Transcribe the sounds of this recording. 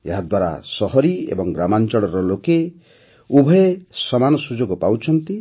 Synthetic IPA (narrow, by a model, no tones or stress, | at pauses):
eɦad̪waɾa̰sɔɦɔɾiḛbɔŋɡɾamant͡ʃɔɭɔɾɔloke | ubʱɔesɔmanɔsud͡ʒoɡɔpawt͡ʃʰɔnt̪i